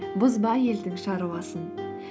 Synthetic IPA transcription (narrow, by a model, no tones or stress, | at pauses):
bʊzbɑje̞ld̪ɪŋʃɑɾuwɑsən